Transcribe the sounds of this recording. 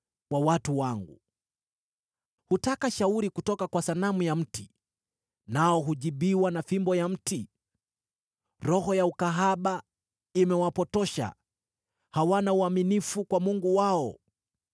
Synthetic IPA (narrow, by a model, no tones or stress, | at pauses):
wawatuwaŋɡṵ | hutakaʃauɾikutɔkakwasanamujam̩ti | naɔɦuʄiɓiwanafimbɔjam̩ti | ɾɔhɔjaukaɦaɓa | imɛwapɔtɔʃa̰ | hawanauaminifukwamuŋɡuwaɔ